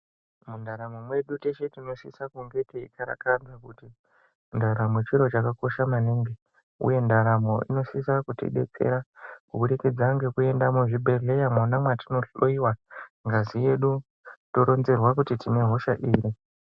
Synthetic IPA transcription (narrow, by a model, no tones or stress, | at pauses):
mundaɾamomwe̞ɗuteʃe̞tino̞sisakuŋɡe̞teḭkaɾa̰kad͡zakuti | ndaɾamo̞t͡ʃiɾo̞t͡ʃakako̞ʃamaniːŋɡi | ṵje̞ndaɾamo̞ḭno̞sisakutḭɗet͡sḛɾakuɓuɗikid͡zaŋɡe̞kue̞ndamuʐibʱe̞ɮe̞jamonamwatino̞ɬoiwaŋɡazije̞ɗu | to̞ɾo̞nzerwakutitine̞ɦo̞ʃaʔiːɾi